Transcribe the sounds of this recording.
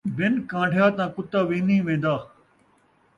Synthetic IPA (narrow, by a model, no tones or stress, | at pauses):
bɪnkãːɳɖʱjaːt̪ãːkʊt̪aːʋĩːnĩːʋẽːn̆d̪aː